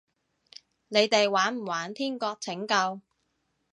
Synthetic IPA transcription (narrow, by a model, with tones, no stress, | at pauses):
ne˨˧jt̪e˨jwaː˨˥nm̩˨˩waː˨˥nt̪ʰiː˥nkɔː˧k̚t͡sʰɪ˨˥ŋkɐ˧w